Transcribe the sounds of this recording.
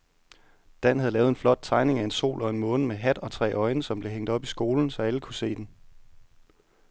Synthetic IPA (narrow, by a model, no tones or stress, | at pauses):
d̥æn̰ɦæð̩ˠlɛːʊð̩ˠe̝nflɒ̽d̥̚t͡sʰɑ̈ɪne̝ŋæe̝nso̝̰ːlʔɒ̽e̝nmɔ̽ːnəmeɦæd̥ɒ̽t͡sʰʁɛ̰ːʔɒ̽ɪnəsɒ̽mb̥le̝ɦeŋ̰d̥ɒ̽b̥isɡ̥o̝ːln̩sɒ̽æləkʰuse̝̰ːd̥en